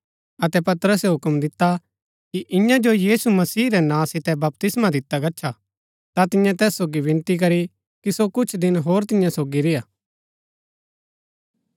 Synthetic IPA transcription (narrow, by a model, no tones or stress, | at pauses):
ɐt̪ɛpɐt̪ɾəseɦʊkəmd̪ɪt̪ːa | kiʔɪ̃jãd͡ʒojiːsumɐsiːɾɛnãːsɪt̪ɛbɐp̚t̪ɪsmad̪ɪt̪ːaɡɐt͡ʃʰʃʰa | t̪at̪ɪ̃jãt̪ɛːsːoːɡibɪ̃nt̪ik̬ɐɾi | kisokʊt͡ʃʰd̪ɪnɦoːɾt̪ɪ̃jãsoːɡiɾɪjaː